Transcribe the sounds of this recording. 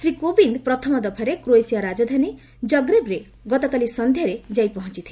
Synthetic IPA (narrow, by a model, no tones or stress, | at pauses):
sɾikobind̪pɾɔt̪ʰɔmɔd̪ɔpʰaɾekɾoesijaɾad͡ʒɔd̪ʱani | d͡ʒɔɡɾebɾe | ɡɔt̪ɔkalisɔnd̪ʱjaɾed͡ʒajpɔɦɔ̃t͡ʃit̪ʰi̥